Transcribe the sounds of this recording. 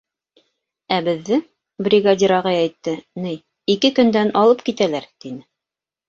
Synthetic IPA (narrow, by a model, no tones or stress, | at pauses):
æbɘ̆ðːɘ | brʲiɡad̪ʲiɾɑʁɑjɛjt̪ːɤnɘj | ikɘkɵ̆nd̪ænɑlˠɤp̚kit̪ælæɾt̪inɘ